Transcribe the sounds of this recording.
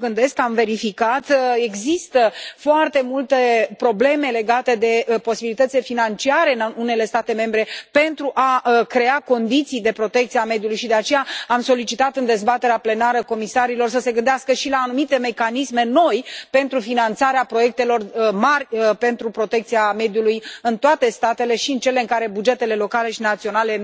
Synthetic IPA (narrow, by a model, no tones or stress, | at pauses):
ɡɨnd̪e̞skamve̞ɾifikat̪e̞ɡzist̪əfoart̪e̞mult̪epɾo̞ble̞me̞le̞ɡat̪e̞d̪e̞po̞sibilit̪ət̪silefinant͡ʃiaɾe̞ɨnune̞le̞st̪at̪e̞me̞mbɾe̞pe̞nt̪ɾuʔakɾe̞ako̞nd̪it̪sijd̪e̞pɾo̞t̪e̞k̚t̪siame̞d̪julujʃid̪e̞at͡ʃe̞jaamso̞lit͡ʃit̪at̪ɨnd̪e̞zbat̪e̞ɾeaple̞naɾəko̞misaɾilo̞rsəse̞ɡɨnd̪easkəʃilaːnumit̪e̞me̞kanisme̞no̞jpe̞nt̪ɾufinant̪saɾeapɾo̞je̞k̚t̪e̞lo̞rmarʲəpe̞nt̪ɾupɾo̞t̪e̞k̚t̪siame̞d̪julujɨnt̪oat̪e̞st̪at̪e̞le̞ʃiɨnt͡ʃe̞le̞ɨŋkaɾe̞bud͡ʒe̞t̪e̞le̞lo̞kale̞ʃinat̪sio̞nale̞